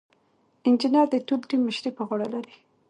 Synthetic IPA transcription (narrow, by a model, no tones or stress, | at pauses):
ɪnd͡ʒɪnɑɾd̪ətulʈimːəʃɾipəɣoɽalaɾi